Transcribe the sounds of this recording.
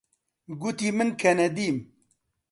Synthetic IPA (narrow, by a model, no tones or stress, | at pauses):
ɡut̪iːmɨnkʰɛnɛd̪iːm